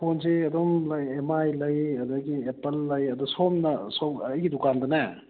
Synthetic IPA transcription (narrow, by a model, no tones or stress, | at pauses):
pʰonseɐd̪ɔmlɐjemajlɐjɐd̪ɐɡiepɐlːɐjɐd̪usomnɐsoɐjɡidukandɐnɐ